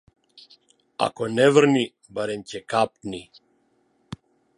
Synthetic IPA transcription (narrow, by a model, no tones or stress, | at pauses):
a̰kɔnɛvr̩ni | baɾɛmcɛkap̚ni